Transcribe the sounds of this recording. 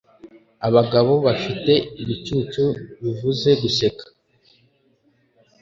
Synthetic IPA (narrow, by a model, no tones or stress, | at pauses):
aβaɡaβo̞βafite̞iβit͡ʃuːt͡ʃuβivuze̞ɡuse̞kḁ